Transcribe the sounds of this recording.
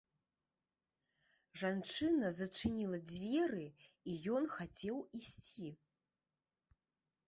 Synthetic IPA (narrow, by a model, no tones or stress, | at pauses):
ʐant͡ʂɨnɐzɐt͡ʂɨnʲilˠɐd͡zʲvʲɛrɨ | ijɔnxat͡sʲɛwisʲt͡sʲi